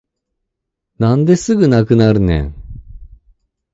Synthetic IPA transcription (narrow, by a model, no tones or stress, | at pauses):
nãnd̪e̞sɨɡɯ̟nakɯ̟naɾɯ̟nḛ̃ŋ